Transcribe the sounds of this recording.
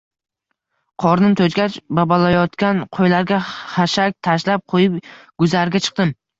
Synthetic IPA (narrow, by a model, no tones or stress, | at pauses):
qʰɒɾnɪt̪ʰɵt͡ʃɡʲat͡ʃbabalajɒt̪kʲanqʰojlaɾɡʲaχaʃak̚ʲt̪ʰaʃlap̚qʰojɪpɡ̥ʊzaɾɡʲat͡ʃʰɨ̥q̚t̪ɪm